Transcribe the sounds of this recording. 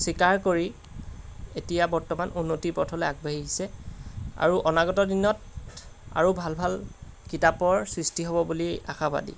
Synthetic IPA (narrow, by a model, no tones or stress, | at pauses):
sikaɹkoɹi | etijabɔɹtɔmanunːotipɔtʰɔlɛaɡ̚baɦisɛ | a̰ɹuʔɔnaɡɔtɔdinɔt | a̰ɹubʱalbʱal | kitapɔɹsɹistiɦɔbɔbulia̰xaba̰dḭ